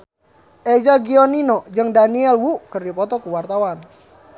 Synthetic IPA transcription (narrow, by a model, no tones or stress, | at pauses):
ʔed͡ʒaɡiɔninɔd͡ʒɨŋdaniɛlwukərdipɔt̪ɔkuwart̪awan